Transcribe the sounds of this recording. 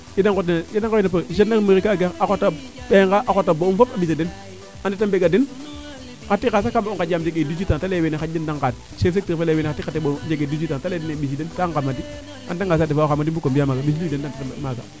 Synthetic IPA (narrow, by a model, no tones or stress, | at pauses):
jidaŋkotnjadaŋkenepaʃ̬enːakmiɾikaɡeakota | peŋɡaʔakotːabounfopabisaden | anditambeɡadin | katːikasakambauŋkajamd͡ʒeɡedud͡ʒitantalewenexaindaŋkat | sefsek̚tiɾfaleweneatːiatːeɓod͡ʒeɡedud͡ʒitantaledinebis̬idenkaŋkamːat̬i | a̰ndaŋɡasadifaxamːat̬ibukombiamaɡais̬iluidendantitamaɡa